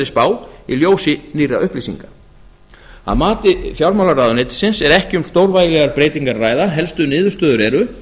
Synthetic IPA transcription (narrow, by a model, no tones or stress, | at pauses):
ɪspaːwḭljoːwsɪniːraʔʏhplisḭŋka | a̰ðmaːt̪ɪfjawɾmawlaɾraːðʏneːjt̪ɪ̥sɪnsɛɾɛhcɪʏmst̪oːwɾvaːjɪlɛɣaɾpɾeːjt̪iŋkaɾraːjðaɦɛlst̪ʏnɪːðʏ̥st̪œːðʏɾɛɾʏ